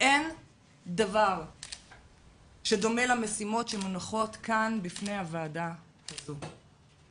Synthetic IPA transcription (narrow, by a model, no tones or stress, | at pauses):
ʔe̞n | davaʁ | ʃe̞do̞me̞lame̞simo̞tʃemonaχo̞tkanbifne̞jhavaːda | asu